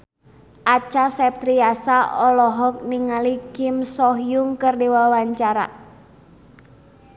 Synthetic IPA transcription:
ʔat͡ʃasɛp̚t̪ɾiasaʔɔlɔɦɔk̚niŋalikɪmsɔɦjʊŋkərdewawaɲt͡ʃaɾa̰

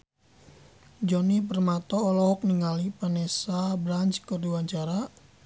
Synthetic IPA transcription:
d͡ʒɔnipərmat̪ɔːlɔɦɔk̚niŋalipanesabɾaɲt͡ʃkərduwaɲt͡ʃaɾa

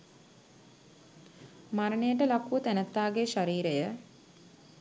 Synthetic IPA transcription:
maɾənejəʈəlakuət̪ænət̪ːaːɡeʃaɾiːɾejə

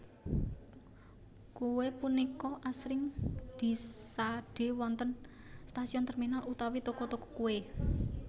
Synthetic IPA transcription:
kuwepunikɔʔasɾɪŋd̪̥i̤saɖ̥e̤wɔnt̪ən | st̪asiɔnt̪ərminalut̪awit̪okɔt̪okɔ̥kue

